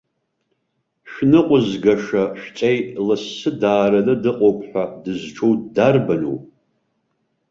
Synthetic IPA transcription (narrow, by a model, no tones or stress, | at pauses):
ʃᶣnɨqʷʼʊzɡaʂaʃᶣt͡ʃʼejlɨsɨdaːɾɐnɨdɨqʼowpʰħʷᶣadɨzʈ͡ʂʰowtdarbano̰wʼ